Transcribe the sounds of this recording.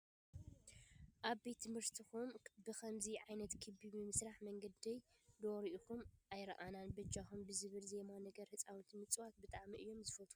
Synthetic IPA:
ʔaβbet̪ʰːɨmhɨɾt̪ʰixumbɨxɐmziʕajnɐt̪kʰɨbimɨmɨsɾaħmɐŋɡɐd̪ɐjd̪oɾiʔuxumʔajɾɐ̰ʔananbɨd͡ʒaxumbɨzɨβɨlze̞manɐɡɐɾhɨt͡sʼawit̪mɨt͡sʼwat̪̚bɨt̪ʼaʕmiʔɨjːo̞mzɨfɐt̪ʰʼu

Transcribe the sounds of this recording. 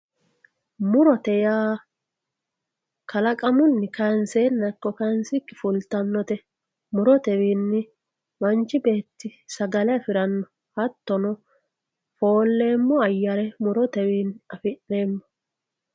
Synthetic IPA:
mʊɾɔt̪ɛjaː | kʰɐlɐkʼɐmʊnːɪkɐnseːnːɐkːɔkɐnsɪkːɪfʊlt̪ːɐnːɔt̪ɛ | mʊɾɔt̪ɛwiːnːɪ | mɐnt͡ʃːɪbe̞ːt̪ːɪsɐɡɐlɛɐfɪɾɐnːɔ | hɐt̪ːɔnɔ | fo̞ːlːe̞ːmːɔɐjːɐɾɛmʊɾɔt̪ɛwiːnɐfɪnːe̞ːmːɔ̥

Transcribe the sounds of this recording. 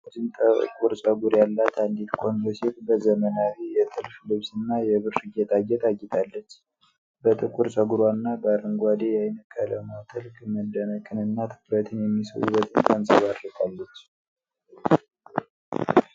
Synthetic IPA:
d͡ʒɨnt̪ʼəkʼuɾt͡ʃʼəɡuɾjalːat̪ʰand̪it̪kʰond̪osifbəzəmənawijɛt̪ʰɨlflɨβsɨnːajɛβɨɾɾɨɡɛt̪ʰʼaɡɛt̪ʰʼaɡːɛt̪ʰalːət͡ʃː | bət̪ʼɨkʼuɾt͡ʃʼəɡuɾwanːabəaɾɨŋɡʷad̪ejajnəkʼʰːələmat̪ʰɨlkʼməd̪ːənəkʼɨnɨnːat̪ʰɨ̥kɾət̪ʰɨnjɛmːisə̰wṵbət̪ʼɨnt̪ʼansʼəβad̪ɾəkʼalːət͡ʃː

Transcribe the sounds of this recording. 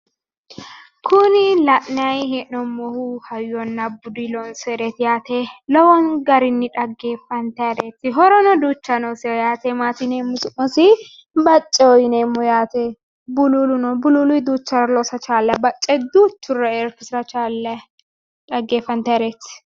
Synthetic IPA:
kʰʊnɪlɐʔnɪɐjɦɛʔnɔmːɔhuhɐjɔnːɐbːʊd̪ilɔnsɛɾɛt̪jaːt̪elɔwɔnɡɐɾɪnːɪᶑɐɡːeːfɐnt̪ɐɾet̪ːɪɦɔɾɔnɔd̪uːt͡ʃːɐnɔsɛjaːt̪ɛmaːt̪ɪnemːʊsʊʔɔsɪ | bɐt͡ʃʼːɛɔjɪnemːɔjaːt̪e | bʊlulʊnɔbʊlulʊɪd̪uːt͡ʃːɐɾɐlɔsɐt͡ʃaːlːɐbɐt͡ʃʼːɛd̪uːt͡ʃːʊrɐɛɾkɪsɪɾɐt͡ʃalɐ | ᶑɐɡːeːfɐnt̪ɐɾet̪ː

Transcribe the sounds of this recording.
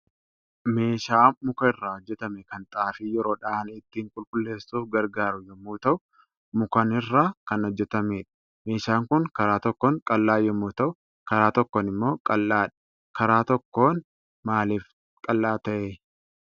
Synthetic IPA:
me̞ːʃaːmʊkɐɪrːaːɔd͡ʒːɛt̪ɐmɛkɐnt̪ʼaːfijɛɾo̞ːᶑaːnɪt̪ːiːŋkʼʊlkʼʊlːe̞ːsːuːfɡɐɾɡaːɾʊjɔmːuːt̪ɐʔʊ | mʊkɐnɪrːaːkɐnɔd͡ʒːɛt̪ɐmeːᶑɐ̥ | me̞ːʃaːŋkʊŋkɐɾaːt̪ɔkːoːŋkʼɐlːaːjɔmːuːt̪ɐʔʊ | kɐɾaːt̪ɔkːoːnɪmːo̞ːkʼɐlːaːᶑɐ̥ | kɐɾaːt̪ɔkːo̞ːn | maːliːf | kʼɐlːaːt̪ɐʔeː

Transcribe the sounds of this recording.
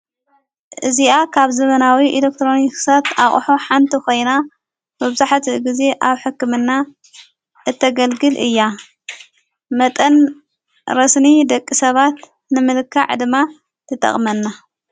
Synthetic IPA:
ʔɨziakʰaβzɐmɐnawiʔilek̚t̪ʰɾo̞niksat̪aχʼħoħant̪ʰiko̞jna | mɨβzaħt̪ʰiɡize̞ʔaβħɨkːɨmɨnːa | ʔɨt̪ʰːɐɡɐlɡɨlʔɨ̰jːa | mɐt̪ʼɐn | ɾɐsnid̪ɐkʼːisɐβat̪ | nɨmɨlkʰːa̰ʕd̪ɨmːa | t̪ʰɨt̪ʼɐ̰χʼmɐnːa

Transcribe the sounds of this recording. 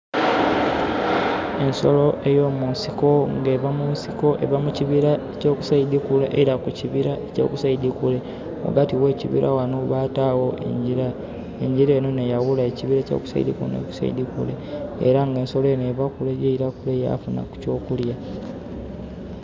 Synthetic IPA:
e̞nso̞lo̞ʔe̞jo̞ːmunsiko̞ŋɡeβamunsiko̞ʔe̞̰βamuciβiɾaeco̞ːku̥saidikuleʔeiɾakuciβiɾaeco̰kusaidikule̞ | o̰ɡatiwe̞ːcḭβḭɾʔawanoβaːtawo̞ḛiɾa | eɲɟiɾe̞ːno̞ne̞jawulaeciβiɾeco̰ku̥sa̰ḭd̪iko̰nḛku̥sa̰ḭdikṵlḛːɾaŋɡe̞ːnso̞loenoeβakuleɟeiɾakuleja̰funa̰ku̥co̞ːkulja

